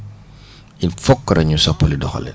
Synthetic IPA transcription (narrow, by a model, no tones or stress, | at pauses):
infɔkːɐɾɐɲusɔpːolidɔxɔ̰lɛ̰